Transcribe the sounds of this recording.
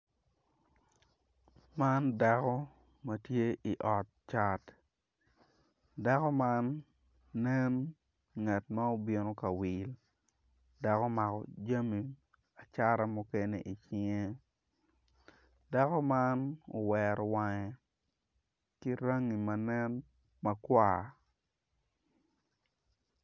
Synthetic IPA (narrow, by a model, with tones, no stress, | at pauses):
ma˦nda˨kɔ˦ | mɐ˨tje˦ʔi˨ʔɔ˨t̚t͡ʃa˦t | da˦kɔ˦ma˦nː | ɛ˦n | ŋa˨tma˦o˨bje˨no˦ka˨wi˨l | da˨kɔ˦ma˨kɔ̰˨d͡ʒa˦mi˨ | a˨t͡ʃa˦ɾa˦mu˦ke˦nḛ˦ʔi˨t͡ʃi˦ŋe˦ | da˦kɔ˦ma˦no̰˨wɛɾɔ˨wa˦ŋɛ˨ | ki˦ɾa˦ŋːi˨ma˨nɛ˦n | mɐ˦kwa˦˨